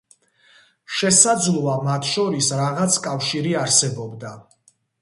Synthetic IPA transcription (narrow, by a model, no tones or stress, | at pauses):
ʃɛsad̪zlˠuamat̪ʰʃɔɾisɾaʁat̪sʰkʼafʃiɾiaɾsɛbɔbd̪a